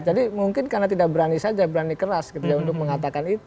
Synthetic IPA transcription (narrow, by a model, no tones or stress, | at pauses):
d͡ʒadimuŋkɪnkarnat̪idak̚bəɾanisad͡ʒabəɾanikəɾaskət̪iɡaunt̪ʊk̚məŋat̪akanit̪